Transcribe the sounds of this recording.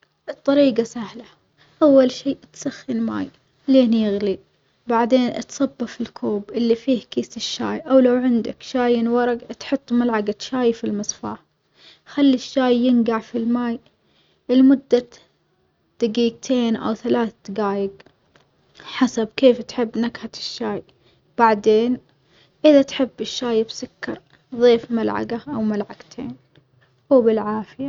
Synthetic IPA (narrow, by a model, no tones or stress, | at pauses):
ʔɨt̪ˤːɑɾiːɡasahla | ʔawːalʃiːʔt̪saxːɪnma̰ːj | leːnjɪɣli | baʕd̪eːnʔɪ̰t̪sˤɑbːɑfɪlkʰuːbʔɪlːifiːhkiːsɪʃːa̰ːjʔawlawʕɪnd̪a̰kʃaːjɪnwɑɾˤɑɡt̪ħʊt̪ˤːmalʕaɡat̪ʃaːjfilmɑsˤfa̰ːħ | xalːiʃːaːjːɪnɡaʕfilmaːj | ʔɪlmʊd̪ːa | d̪̥aɡiːɡt̪ʰeːnʔa̰wθalaːθat̪ɡaːjɪɡ | ħasabkeːft̪ħɪbːnaɡħat̪ɪ̥ʃːaːj | b̥aʕd̪eːn | ʔɪðat̪ħɪbːɪʃːaːjbsʊkːɑɾˤ | ðˤeːfmalʕa̰ɡaʔawmalʕaɡt̪ʰeːn | uːbɪlʕaːfɪja